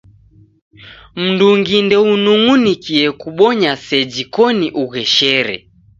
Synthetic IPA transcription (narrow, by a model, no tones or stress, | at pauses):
m̩nduŋɡindɛunuŋunikiɛkuɓɔɲasɛd͡ʒikɔniʔuɣɛʃɛɾɛ̰